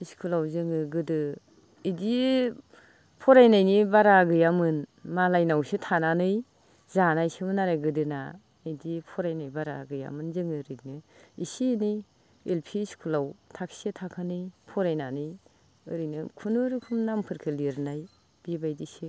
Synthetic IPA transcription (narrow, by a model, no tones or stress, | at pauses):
iskʰulawzɯŋɯɡɯdɯ | idi | pʰɔɾajnajnibaɾaɡɯjamɯnmalajnawsɯtʰananɯj | zanajsɯmɯnaɾajɡɯdɯna̰ | ɯdipʰɔɾajnajbaɾa̰ɡɯja̰mɯnzɯŋɯɾɯnɯisini | elpʰiskʰulawtʰakʰsetʰakʰanɯjpʰɔɾajnanɯj | ɯɾɯjnɯkʰunɯɾɯkʰumnampʰɯɾkʰɯliɾnaj | b̥ibajdisɯ